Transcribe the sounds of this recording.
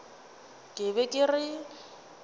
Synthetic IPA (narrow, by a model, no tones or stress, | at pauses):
kʼɪβɛkʼɪrɪ